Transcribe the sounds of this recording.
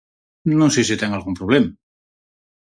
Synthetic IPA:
nõŋsesit̪eŋalɣumpɾoβ̞lema

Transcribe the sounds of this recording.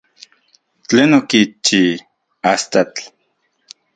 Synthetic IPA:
t͡ɬenokit͡ʃi | ast̪at͡ɬ

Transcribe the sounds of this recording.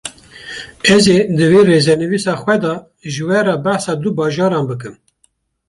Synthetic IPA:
ɛzeːd̪ɨveːreːzɛnɨviːsɑːxwɛd̪ɑ | ʒɨwɛɾɛːbæħsɑːd̪ubɑːʒɑːɾɑːnbɨk̬ɨm

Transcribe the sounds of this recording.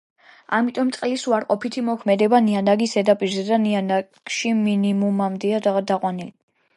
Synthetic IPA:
a̰mit̪ʼɔmt̪sʼqʼɛlisuaɾqʼɔpʰit̪ʰimɔkʰmɛd̪ɛbanianaɡisɛd̪apʼiɾzɛd̪anianaɡʃiminimumamd̪ɛad̪ad̪aqʼwanili

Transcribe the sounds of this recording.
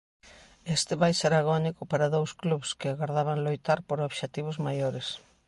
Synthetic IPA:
est̪ɪβajseɾaɣ̞ɔnikʊpaɾɐðowskluβskɪaɣaɾðaβaŋlojt̪aɾpoɾoβʃet̪iβ̞ʊzmajoɾɪs

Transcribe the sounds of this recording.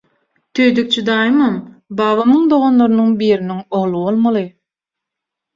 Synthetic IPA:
t̪ʰøjd̪yk̚t͡ʃʰud̪ɑːjmambɑːβɑmɯŋd̪o̞ʁonlˠoɾɯnuŋbiːɾiniŋoʁlˠɯβolˠmɑlˠɯ

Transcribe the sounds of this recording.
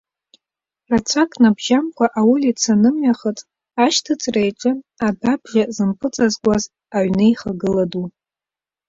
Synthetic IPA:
rat͡sʷʰakʼnabʒamkʷʰaʔawʊlit͡sʰanɨmɥaχət͡sʼ | aʃtʰɨt͡sʰʼrajʈ͡ʂʼɨababʒʲazɨmpʰʼɨt͡sʼazɡʷaz | aʕnɨjχaɡɨladu

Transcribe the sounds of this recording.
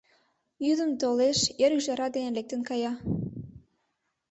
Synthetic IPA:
jyd̪ə̆mt̪oleʃeɾyʒɑɾɑd̪enelek̚t̪ə̆nkɑjɑ

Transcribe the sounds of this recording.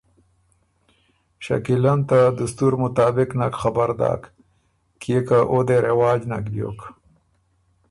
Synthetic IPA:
ʃa̰kilant̪ad̪ust̪uɾmʊt̪aːbɪknakxabaɾd̪a̰ːk | kekaʔod̪eɾewaːd͡ʑnakbjo̰ːk

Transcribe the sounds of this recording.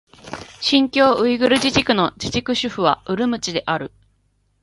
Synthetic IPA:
ɕĩŋkʲo̞ːʔɯ̟iɡɯ̟ɾɯ̟ʑiʑikɯ̟no̞d͡ʑiʑikɯ̟ɕɨɸɯ̟β̞a̰ɯ̟ɾɯ̟mɯ̟t͡ɕid̪e̞ʔaɾɯ̟

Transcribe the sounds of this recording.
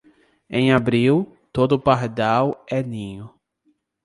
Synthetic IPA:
ẽj̃abɾiw | t̪od̪ʊpaɾd̪awɛnĩɲʊ

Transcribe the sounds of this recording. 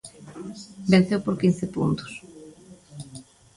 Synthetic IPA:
ben̟θewpoɾkin̟θepṵnt̪ʊ̥s

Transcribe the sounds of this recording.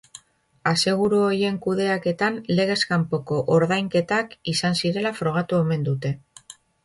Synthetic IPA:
ase̞ɣ̞uɾuoje̞ŋkuðe̞ake̞t̪anle̞ɣ̞e̞skampo̞ko̞ʔoɾðajŋke̞t̪akisansiɾe̞lafɾo̞ɣ̞at̪ue̞me̞nd̪ut̪e̞

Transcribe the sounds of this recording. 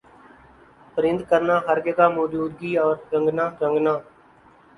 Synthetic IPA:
pəɾɪ̃nd̪̚kəɾnaːɦəɾɡekaːmɔːd͡ʒuːd̪̚ɡiːɔːɾɾə̃ŋɡnãːɾə̃ŋɡnaː

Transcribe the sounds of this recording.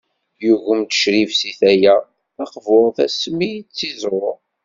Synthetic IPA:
juʝəmt̪ə̥ʃɾivsiθæjæ | ɑqvʊɾˤθæsmijt͡sːizɾˤʊɾ

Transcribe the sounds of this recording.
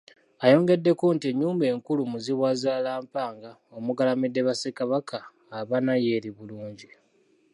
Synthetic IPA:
ajo̞ːŋɡe̞dːe̞kuntieɲːuːmbe̞ːŋkulumuziβwazaːlaːmpaːŋɡao̞muɡalamidːe̞βasekaβakʰaː | βanaje̞ːɾiβuluːɲɟi

